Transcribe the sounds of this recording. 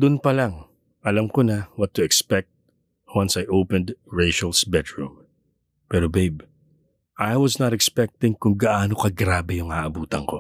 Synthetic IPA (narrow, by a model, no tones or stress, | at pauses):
d̪ʊnpɐlaŋ | ʔɐlɐmkonɐwɐt̪ːʊɛkspɛk̚t̪̚ | wãnsajʔowpɛ̃nd̪ɹejʃɐlsbɛd̪ɹṵm | pɛːɾobejb | ʔajwɐsnɐt̪ɛkspɛk̚t̪ɪ̃ŋkʊŋɡɐʔaːnokɐɡɾaːbɛjʊŋaʔɐbuːt̪ɐŋko̞